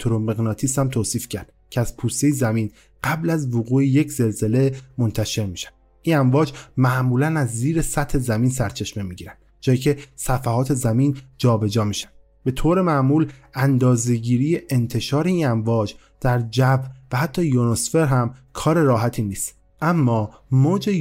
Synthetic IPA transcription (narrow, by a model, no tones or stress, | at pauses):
t̪ʰoɾomeɣnɒːt̪ʰisæmt̪ʰoːsiːfcʰæɾd̪̥cʲʰeæz̥pʰuːst̪ejezæmiːn | ɢ̥æblæzvoɣuːejecʰz̥e̞lze̞le̞mont̪ʰæʃe̞ɾmiːʃæ̥nd̪̥ | ʔiːnæɱvɒːd͡ʒmæʔmuːlænæzːiːɾesæt̪ʰhe̞zæmiːnsæɾt͡ʃʰe̞ʃme̞miːɟiːɾænd̥̪d͡ʒɒːjiːcʰesæfæhɒːt̪ʰe̞zæmiːnd͡ʒɒːbe̞d͡ʒɒːmiʃæ̥nd̪̥ | be̞t̪ʰoːɾe̞mæʔmuːlænd̪ɒːze̞ɟiːɾije̞ʔent̪ʰe̞ʃɒːɾe̞iːnæmvɒːd͡ʒ | d̪̥æɾd͡ʒæbvæhæt̪ʰːɒːjonosfe̞ɾɦæmkʰɒːɾe̞ɾɒːɦæt̪ʰiːniːst̪ | ʔæmːɒː | moːd͡ʒe